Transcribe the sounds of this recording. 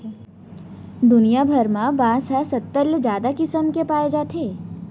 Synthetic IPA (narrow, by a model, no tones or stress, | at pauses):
d̪ʊnijabʱəɾmãbãːsasɐt̪ːəld͡ʒjaːd̪akɪsəmkepaːed͡ʒaːt̪ʰeː